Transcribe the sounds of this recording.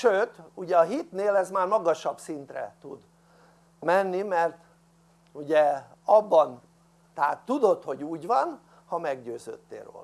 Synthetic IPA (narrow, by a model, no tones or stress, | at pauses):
ʃøːt̪uɟɛɒɦit̪neːlɛzmaːrmɒɡɒʃɒbsint̪rɛ̰t̪ud̪ | mɛnːimɛrt̪ | uɟɛɒbːɒn | t̪ɛaːt̪ːud̪o̞t̪ho̞ɟuːɟʋɒn | hɒmɛɡɟøːzø̰ːt̪ːḛːro̰ːl